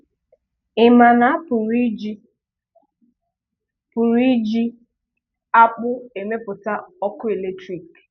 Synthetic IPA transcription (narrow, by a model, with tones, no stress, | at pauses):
ɪ˨ma˨na˨a˦pʊ˨ɾi˦d͡ʒ | pʊ˨ɾi˦d͡ʒi˦ | a˦k͡pʊ˦e˨me˦pʊ˨ta˦ɔ˦kʊ˦e˨le˦tɾi˨k